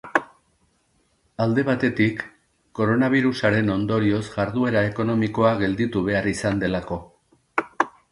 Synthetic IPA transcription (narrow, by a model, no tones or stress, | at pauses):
ald̪e̞β̞at̪e̞t̪ikː | o̞ɾo̞naβ̞iɾusaɾe̞no̞nd̪o̞ɾio̞zʝaɾðue̞ɾae̞ko̞nomiko̞aɣe̞ld̪it̪uβ̞e̞arisand̪e̞lako̞